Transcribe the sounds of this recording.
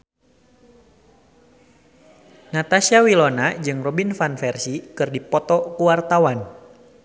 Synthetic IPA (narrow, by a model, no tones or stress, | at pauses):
nat̪asiawilɔnad͡ʒɨŋrɔbinfanfɛrsikɨrdipɔt̪ɔkuwart̪awan